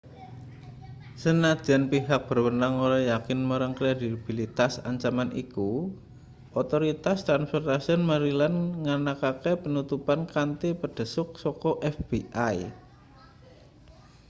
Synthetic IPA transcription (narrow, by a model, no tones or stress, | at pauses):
sənad̥ʒ̥a̤npiɦak̚b̥ərwənaŋoɾajakɪnməɾəŋkɾed̪ib̥ilit̪asa̰ɲt͡ʃamanḭku | ɔt̪oɾit̪ast̪ɾanspɛrt̪asiɔnmaɾilanŋanakakepənut̪upankant̪ipəɖ̥ə̤sʊk̚sɔkɔʔɛfb̥iʔaj